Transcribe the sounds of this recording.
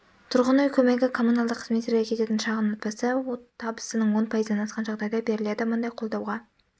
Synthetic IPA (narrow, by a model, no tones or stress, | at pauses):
t̪ʰʊɾʁənujkʲʰɵme̞ɡʲɪkʰo̞mːunɑlˠd̪əqʰːəzme̞t̪ʲːeɾɡʲekʲʰe̞t̪e̞t̪ɪnʃɑʁənot̪̚pɑsəwot̪ʰɑbəsənəɴwo̞npʰɑjəzənɑnɑsqɑnʒɑʁd̪ɑjd̪ɑbe̞ɾɪle̞d̪ɪmʊnd̪ɑjqʰo̞lˠd̪ɑwʁɑ